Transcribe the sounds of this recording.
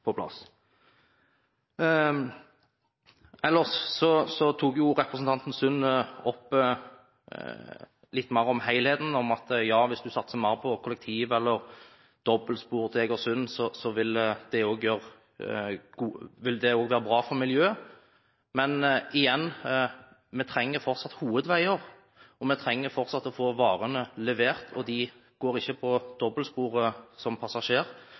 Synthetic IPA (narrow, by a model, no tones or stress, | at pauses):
pʰɔpʰlɑ̰s | ɛlːəsːɔsɔt̪ʰuːkjʊɾɛpʁəsn̩t̪ɑnt̪n̩sʉnːɔpː | lɪt̪ːmæɪʁəɔmhæɪlheːt̪n̩ɔmɑt̪jɑːʋɪsd̪ʉsɑt̪ːsəmæːɾəpʰɔkʰʊlɛk̚t̪ʰiːʋɛlːəɾ | d̪̥ɔbəlspuːʁd̪ʰeːɡɔsʉnːsɔsɔʋɪld̪̥ɛoːɡjøːɾ | ɡ̥uːʋɪld̪ɛoːɡʋæːɾəbɾɑːfɔɾmɪljøː | mɛnɪjɛnː | mɛt̪ʰɾɛŋːəɾfɔɾt̪sɑt̪ːhuːʋəd̪ʋæɪəɾ | ɔmɛt̪ʰɾɛŋːəɾfɔʁt̪sɑt̪ːɔfoːʋɑːɾənəlɛʋeːʁt̪ʰɔd̪ɪ | ɡ̥oːɾɪçːəpʰɔd̪̥ɔbːəlspuːɾəsɔmpʰɑsɑʂeːʁ